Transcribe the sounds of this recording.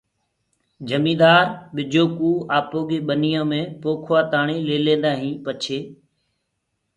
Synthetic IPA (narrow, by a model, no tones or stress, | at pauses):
d͡ʒʱəmĩːd̪aːɾɓɪd͡ʒoːkuːaːpoːɡeːɓənijãːmẽːpoːkʰʋaːt̪aːɳiːleːlẽːnd̪aːɦĩːpət͡ʃʰeː